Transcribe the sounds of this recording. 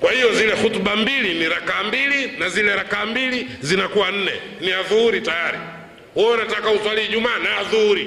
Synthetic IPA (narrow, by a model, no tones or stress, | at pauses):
kwahijɔzilɛhutuɓambiliniɾakaːmbilinazilɛɾakaːmbilizinakuwan̩nɛ | niaðuhuɾitajaɾḭ | hɔɔnatakauswaliʄumaːnaaðuhuɾi